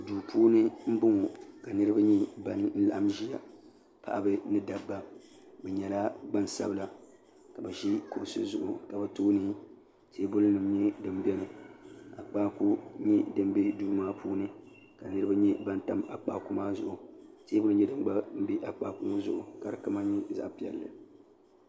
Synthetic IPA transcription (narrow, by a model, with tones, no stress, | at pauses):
duː˨pʰuː˦nɨ˦m̩˦bʊ˦ŋo˨ka˨nɨ˦ɾɨ˦ba˦ɲɛ˦ba˨n˦n̩˦la̰˨ʔa˦mʒi˦ja̰˨ | pʰa̰˨ʔa˨bɨ˦nɨ˦da˨bːa˦ | bɛ˨ɲɛ˨la˦ba˦n˨sa̰˦bɨ˦la˨ | ka˨bɛ˨ʒi˦ko̰˨sɨ̰˦zʊ˨ʔʊ˨ka˨bɛ˨toː˦nɨ˦ | teː˦bʊ˦lɨ˦nɨ˨m˦ɲɛ˦dɨ˨mbɛ˦nɨ˨a˨k͡paː˦ku˦ɲɛ˦dɨ˦m˦bi˦duː˦maː˦pʰuː˦nɨ˦ | ka˨nɨ˦ɾɨ˦ba˦ɲɛ˦ba˦nta˦ma˨k͡paː˨ku˦maː˦zʊ̰˨ʔʊ˨teː˦bʊ˦lɨ˦ɲɛ˦dɨ˦m˦ɡ͡ba˦m̩˦bi˦ʔa˨k͡pa˦kʊ˦ŋʊ˦zʊ˨ʔʊ˨ka˨ɾɨ˨ka˦ma˦ɲi˦za̰˨ʔpi˦˨ɛ̰˨lːɨ̰˨